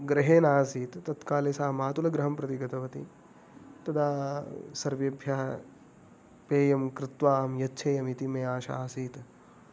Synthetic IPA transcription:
ɡɾɐɦeːnaːsiːt̪t̪ɐt̪kaːleːsaːɐmaːt̪ulɐɡɾɐɦɐmpɾɐt̪iɡɐt̪ɐʋɐt̪ḭ | t̪ɐd̪aːsɐɾʋjɐbʱjaːɐ | peːjɐmkɾɪt̪ʋaːɦɐmjɐtːʃʰeːjɐmit̪imeːaːʃaaːsiːt̪

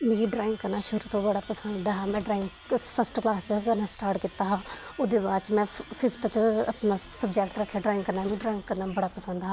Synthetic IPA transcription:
mẽːɖɾaːɪ̃ŋɡkəɾnaːʃəɾut̪õːbəɽaːpəsənd̪aɦaːmɛ̃ːɖɾaːɪŋɡ | spʰəsʈklaːst͡ʃkənãsʈaːɾʈkiːt̪ːaːɦãːʊːd̪eːbaːt͡ʃmɛ̃ːpʰɪfʰt̪ːt͡ʃə̰pnaːsəbd͡ʒɛːkʈɾəkʰːjaːɖɾaːɪ̃ŋɡkəɾnaːmẽːɖɾaːɪ̃ŋɡkəɾnaːbəɽaːpəsə̃nd̪ɦaː

